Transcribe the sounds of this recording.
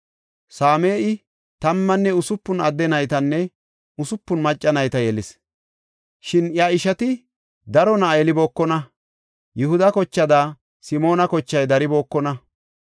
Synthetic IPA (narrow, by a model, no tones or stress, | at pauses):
saːme̞ːʔɪ | t̪ɐmːɐnːɛʊsʊpːʊnɐd̪ːɛnɐjt̪ɐnːɛ | ʊsʊpːʊnmɐt͡ʃʼːɐnɐjt̪ɐjɛlɪs | ʃɪnjaɪʃɐt̪ɪ | d̪ɐɾɔnajɛlɪbo̞ːkːɔnɐ | jʊhʊd̪ɐkɔt͡ʃːɐd̪aː | sɪmo̞ːnɐkɔt͡ʃːɐjd̪ɐɾɪbo̞ːkːɔnɐ